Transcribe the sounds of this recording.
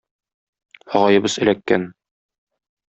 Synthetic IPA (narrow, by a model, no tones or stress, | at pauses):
ɒʁɑjɤ̆bɤzɘ̆lækːæ̰n